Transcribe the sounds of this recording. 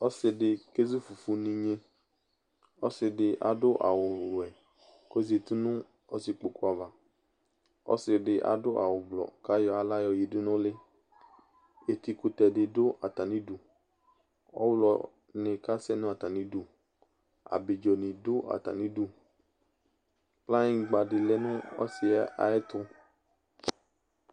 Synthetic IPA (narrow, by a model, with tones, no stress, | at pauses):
ɔ˦sɪ˧ɖɪ˨ke˦zu˦fu˨fu˨nĩ˨ɲe˦ | ɔ˦sɪ˧ɖɪ˨ʔa̰˨dʊ˦ʔa̰˨wʊ˨lɛ˨ | ko˦zi˨e˨t̪u˦nʊ̃˦ | ɔ˦sɪ˨k͡po˨ku˦a˨va˨ | ɔ̰˦sɪ˨ɖɪ˨ʔa̰˨dʊ˦ʔa̰˨wʊ˨blɔ̰˨ka˦jɔ˦a˨la˦jɔ˨ji˨dʊ˦nʊ̃˦lɪ˦ | e˨t̪i˧kʊ˨t̪ɛ˨dɪ˨dʊ˦ʔa̰˨t̪a˨nĩ˦du˨ | ɔ̰˦wlɔ˨ | nɪ̃˨ka˦sɛ˦nʊ̃˦a˨t̪a˨nĩ˨˦du˨ | a̰˨bɪ˨d͡ʒɔ˨nɪ̃˨dʊ˦a̰˨t̪a̰˨nĩ˨˦du˨ | k͡pla˦ɲĩ˦ɡ͡ba˨ɖɪ˨lɛ˦nʊ̃˦ɔ̰˦sɪ˨˦a̰˨ɛ˦t̪ʊ˦